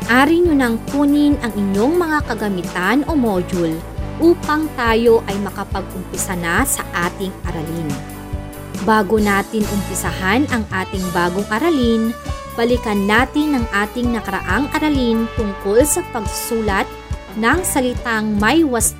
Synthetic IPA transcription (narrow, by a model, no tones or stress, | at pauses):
ʔaːɾɪɲʊnɐŋkuːnɪnɐŋɪɲo̞ŋmɐŋakɐɡɐmɪt̪anʔo̞moːd͡ʒul | ʔuːpɐŋt̪aːjo̞ʔɐjmɐkɐpɐɡ̚ʔʊmpɪsɐnasɐʔaːt̪ɪŋʔɐɾɐlin | baːɡonaːt̪ɪnʔʊmpɪsahanʔɐŋʔaːt̪ɪŋbaːɡoŋʔɐɾɐlinb̥ɐlɪkɐnːaːt̪ɪnːɐŋʔaːt̪ɪŋnɐkɐɾɐ̰ʔaŋʔɐɾɐlint̪ʊŋko̞lsɐpɐɡ̚suːlɐt̪̚ | nɐŋsɐlɪt̪aŋmɐjwɐs